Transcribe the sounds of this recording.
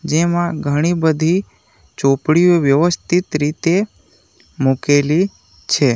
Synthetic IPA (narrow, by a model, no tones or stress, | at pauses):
d͡ʒemãɡʱəɽ̃ibəd̪ʱi | t͡ʃopɽioʋjəʋəst̪ʰit̪ɾit̪e | mukeli | t͡ʃʰe